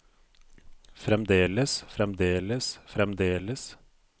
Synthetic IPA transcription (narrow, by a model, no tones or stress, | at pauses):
fɾɛmd̪eːləsfɾɛmd̪eːləsfɾɛmd̪eːləs